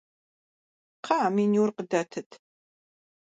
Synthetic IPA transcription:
qʰɑːminiwrqədɐtʰɨtʰ

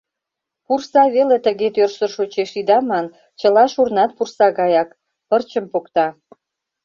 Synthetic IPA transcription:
pursɑβelet̪əɣet̪ørsərʃot͡ɕeʃid̪ɑmɑn | t͡ɕəlɑʃurnɑt̪̚pursɑɣɑjɑk | pərt͡ɕəmpokt̪ɑ

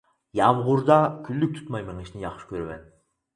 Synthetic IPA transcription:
jɑvʁʊɾd̪ɑkʲʰylːyk̚ʲt̪ʰu̥t̪mɑjmɨŋiʃnɪjɑχʃi̥kʲʰøɾmɛ̰n

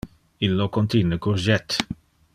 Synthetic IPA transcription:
ilːokɔnt̪inəkurʒɛt̪ː

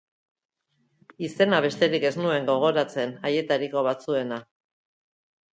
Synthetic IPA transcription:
ise̞naβ̞e̞st̪e̞ɾike̞znue̞ŋɡo̞ɣ̞o̞ɾat͡se̞naje̞t̪aɾiko̞β̞at͡sue̞na

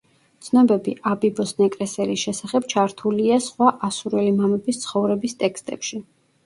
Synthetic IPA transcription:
t̪sʰnɔbɛbiʔabibɔsnɛkʼɾɛsɛɾisʃɛsaχɛbt͡ʃʰaɾt̪ʰuliasχwaʔasuɾɛlimamɛbist̪sʰχɔvɾɛbist̪ʼɛkst̪ʼɛpʃi

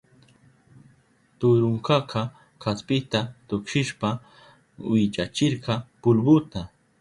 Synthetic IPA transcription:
t̪ʊɾʊŋkɑqʰɑ | kaspɪt̪at̪ʊkʃɪʃpa | wɪt͡ʃat͡ʃɪɾɢɑpʊlbʊt̪a

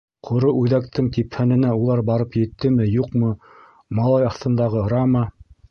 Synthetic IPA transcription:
qʰŏɾoʔʉðækt̪ɘŋt̪iphænɘ̆næulˠɑɾbɑɾɤpjɘ̆t̪ːɘmɘjuqmɤ | mɑlˠɑjɑθt̪ɤ̆nd̪ɑʁɤɾɑmɑ

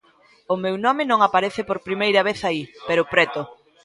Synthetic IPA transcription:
ʊmewnɔmɪnõŋapaɾeθɪpoɾpɾimejɾɐβ̞eθaipeɾʊpɾɛt̪ʊ

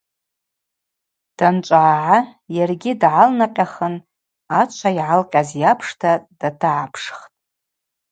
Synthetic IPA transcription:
d̥ant͡ʃʷʼaːʕajarɡʲɪdʕalnaqʲʼaχən | at͡ʃʷʰaiʕalqʲʼazjapʰʂtʰad̥atʰaʕapʰʂχtʼ

